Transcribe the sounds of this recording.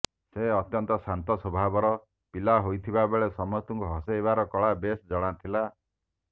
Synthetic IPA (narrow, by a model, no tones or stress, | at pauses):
seɔt̪jɔnt̪ɔsant̪ɔsɔbʱabɔɾɔ | pilaɦojt̪ʰibabeɭesɔmɔt̪uŋkuɦɔsebaɾɔkɔɭabesd͡ʒɔɽ̃at̪ʰila